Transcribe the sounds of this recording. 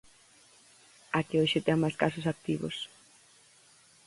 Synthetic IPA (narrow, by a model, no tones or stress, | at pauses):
akeojʃɪt̪eŋmajskasʊsak̚t̪iβʊ̰s